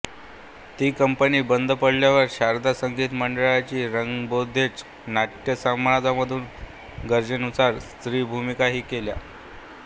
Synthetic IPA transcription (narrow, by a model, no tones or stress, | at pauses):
t̪iːkəmpəniːbənd̪ʱpəɽljaʋəɾɕaɾd̪ʱasəŋɡʱiːt̪məɳɖəɭat͡ɕiːɾəŋɡbod̪ʱːet͡s | naʈjəsamɳad͡zaməd̪ʱuːn | ɡəɾd͡ʑənut͡saɾst̪ɾiːbʱumikaɦiːkelja̰